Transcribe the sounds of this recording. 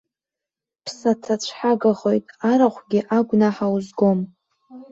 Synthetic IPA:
pʰsatʰat͡ɕʷʰħaɡaχojtʼaɾaχʷɡʲiʔaɡʷnaħawuzɡo̞m

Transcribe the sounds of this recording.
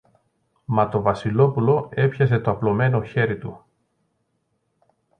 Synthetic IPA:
mɐt̪o̞vɐsilo̞pulo̞e̞pçɐs̬e̞t̪o̞ɐplo̞me̞no̞çe̞ɾit̪u

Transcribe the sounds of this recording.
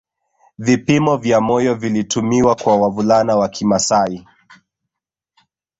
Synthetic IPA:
vipimɔvjamɔjɔvilitumiwakwawavulanawakʰimasai

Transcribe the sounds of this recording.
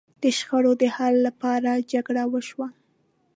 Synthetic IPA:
d̪̥əʃxəɽod̪əhalːapɑɾad͡ʒaɡɽawəʃwa

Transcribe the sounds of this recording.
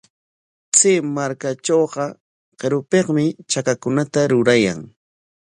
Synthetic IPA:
t͡semaɾkat͡ʃoːɢɑ | qeɾʊpeŋmɪt͡ʃakakʊnat̪aɾʊɾaja̰ŋ

